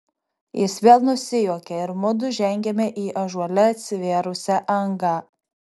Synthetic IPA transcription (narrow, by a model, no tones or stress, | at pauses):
jɪsʋʲeːlˠnʊsʲɪjuɔkʲɛɪɾmʊd̪ʊʒʲɛŋʲɡʲɛmʲɛʔiːʔɐʒuɔlʲɛɐt̪ʲsʲɪʋʲeːɾʊsʲɛʔɐŋɡɑ